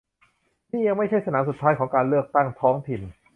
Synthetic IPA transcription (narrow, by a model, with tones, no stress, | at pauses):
niː˥˩ja˧ŋma˥˩jt͡ɕʰa˥˩jsa˧naː˩˦msu˨˩t̪ʰːaː˦˥jkʰɔː˩˦ŋkaː˧nlɯ˥˩ək̚t̪a˥˩ŋt̪ʰɔː˦˥ŋt̪ʰi˨˩n